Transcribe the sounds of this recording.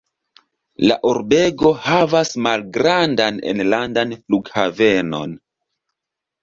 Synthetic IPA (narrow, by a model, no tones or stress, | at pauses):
la̰ʔoɾbe̞ɡo̞havasmalɡɾandanḛnlandanfluɡhave̞no̞̰n